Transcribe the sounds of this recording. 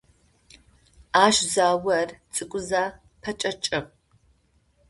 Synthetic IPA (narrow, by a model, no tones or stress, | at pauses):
aːʃzaːwɐrt͡sʼɨkʷʼʊzaː | pʰɐt͡ʃʼɐt͡ʃʼɐp